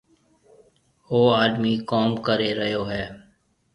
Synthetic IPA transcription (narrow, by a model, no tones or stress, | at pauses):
oːaːd̪miːkoːmkəɾeːɾəɦjoːɦɛː